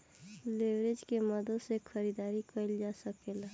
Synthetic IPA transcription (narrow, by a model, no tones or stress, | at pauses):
leʋɾed͡ʒkeməd̪əsekʰəɾid̪aːɾikəld͡ʒaːsəkela